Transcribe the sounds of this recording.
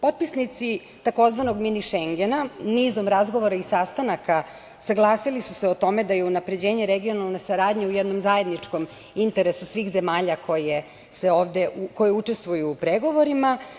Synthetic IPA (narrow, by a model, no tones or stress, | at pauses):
po̞t̪̚pisnit̪si | t̪ako̞zʋano̞ɡminiʃeŋɡenanizo̞mɾazɡo̞ʋo̞ɾaisast̪anaka | saɡlˠaːsilisuseo̞t̪o̞me̞d̪aje̞unapɾe̞d͡ʑe̞ːɲeɾeɡio̞nalˠnesaɾaːd̪ɲeujɛd̪no̞mzaje̞d̪nit͡ʂko̞m | int̪e̞ɾe̞susʋiːxze̞maːʎakʰo̞je | seo̞ːʋd̪eʔuko̞jeut͡ʂe̞st̪ʋujuːpɾeɡo̞ʋo̞ɾima